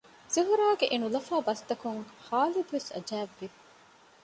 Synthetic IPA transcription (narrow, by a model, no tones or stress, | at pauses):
ziɦuɾaːɡeʔenulɐfæːbɐst̪ɐkuŋhaːlid̪uʋesɐ̰d͡ʒæːʋːi